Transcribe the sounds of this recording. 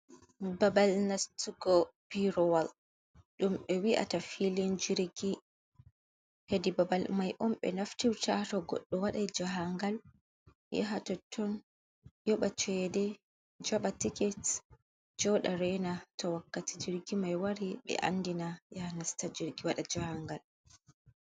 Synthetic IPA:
babalnastuɡɔpiɾɔwal | ɗumɓɛwiʔa̰tafilind͡ʒiɾɡi | hedibabalmajʔɔmɓɛ̰naftiwtatɔɡɔ̰ɗːɔwaɗajd͡ʒaɦaŋɡal | jɛ̰ɦatɔtʰːɔn | jɔɓat͡ʃɛdɛ | d͡ʒaɓatikɛt | d͡ʒɔɗaɾɛnatɔwakːatid͡ʒiɾɡimajwaɾiɓɛ̰ʔa̰ndinajahnastad͡ʒiɾɡiwaɗad͡ʒahaŋɡal

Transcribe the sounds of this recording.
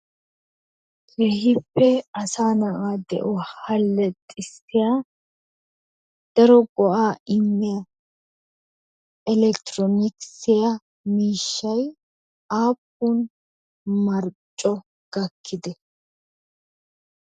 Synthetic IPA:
lehɪpːɛɐsaːnɐʔaːd̪ɛ̰ʔɔhɐlːɛt̪ʼɪsɪjaː | d̪̥ɐɾɔɡɔʔaːɪmːɛjɐ | ɛlɛkt̪ɾɔnɪksɪjɐ | miːʃːɐj | aːp̚ːuːn | mɐɾt͡ʃʼːɔ | ɡ̥ɐkʰːɪd̪ɛ

